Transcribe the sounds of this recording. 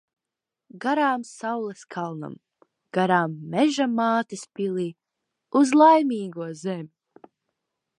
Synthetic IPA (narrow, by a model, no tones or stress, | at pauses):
ɡaɾaːmsawlˠɛskʰalˠna̰m | ɡ̥aɾaːmːɛʒamaːt̪ispilˠiː | uzlˠajmiːɡuɔzɛmʲ